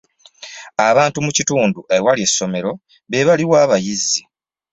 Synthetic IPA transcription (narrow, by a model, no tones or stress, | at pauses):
aβaːntumucituːnduʔewalie̞sːo̞me̞ɾo̞ | βe̞βaliwaːβajizːi